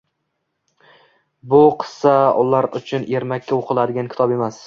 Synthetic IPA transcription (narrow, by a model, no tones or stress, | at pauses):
bʊqʰɨ̥saʊ̰laɾʊ̰t͡ʃʰʊne̞ɾmakʲʰːaoqʰɨlˠad̪ɪɡʲankʲʰɪ̥t̪ʰɒbe̞mas